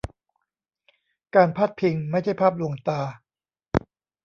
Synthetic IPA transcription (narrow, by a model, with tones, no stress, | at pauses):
kaː˧npʰaː˦˥˩t̪̚pʰi˧ŋma˥˩jt͡ɕʰa˥˩jpʰaː˥˩p̚lu˧˩əŋt̪aː˧